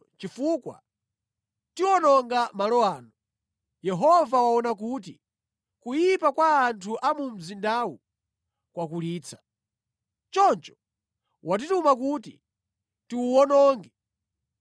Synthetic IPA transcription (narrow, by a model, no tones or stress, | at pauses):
t͡ʃifuːkwa̰ | tiwɔnɔŋɡamalɔaːnɔ | jɛɦɔvawawɔnak̬uːt̬i | kujipakwaːntʰuʔamum̩zindawu | kwakuliːt͡sʰḁ | t͡ʃɔnt͡ʃɔ̥ | wat̬itumak̬uːtḭ | tiwuwɔnɔːŋɡɛ